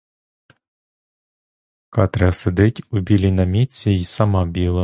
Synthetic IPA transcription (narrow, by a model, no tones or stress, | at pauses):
kɑt̪ɾɛsed̪ɪtʲʊbʲilʲinɐmʲit͡sʲːiisɐmɑbʲilˠɐ